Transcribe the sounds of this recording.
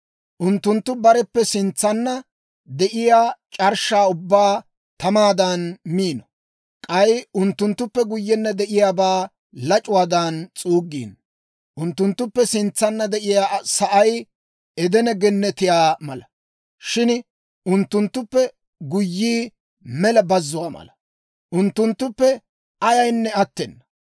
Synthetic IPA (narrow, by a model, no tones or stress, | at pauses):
ʔʊnt̪ːʊnt̪ːʊbɐɾɛpːɛsɪnt͡sːɐnːɐ | d̪ɛʔɪjaːt͡ʃʼɐɾʃaːʊbːaː | t̪ɐmaːd̪ɐnmiːnɔ̥ | kʼɐjʊnt̪ːʊnt̪ːʊpːɛɡʊjːɛnːɐd̪ɛʔɪjaːbaː | lɐt͡ʃʼʊwaːd̪ɐːnt͡sʼuːɡːḭːn | ʔʊnt̪ːʊnt̪ːʊpːɛsɪnt͡sːɐnːɐd̪ɛʔɪjaːsɐʔɐj | ɛd̪ɛnɛɡɛnːɛt̪ɪjaːmɐlɐ | ʃɪn | ʊnt̪ːʊnt̪ːʊpːɛ | ɡʊjːiː | mɛlɐbɐzːʊwaːmɐ̰lɐ | ʔʊnt̪ːʊnt̪ːʊpːɛ | ɐjɐjnːɛɐt̪ːɛnːɐ